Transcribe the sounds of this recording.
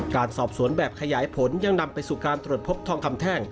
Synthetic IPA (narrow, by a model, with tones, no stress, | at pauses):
kaː˧nsɔː˨˩p̚su˩˦ənbɛː˨˩p̚kʰa˧jaː˩˦jpʰo˩˦nja˧ŋna˧mpa˧jsuː˨˩kaː˧nt̪ɾu˨˩t̪pʰo˦˥p̚t̪ʰɔː˧ŋkʰa˧mt̪ʰɛː˥˩ŋ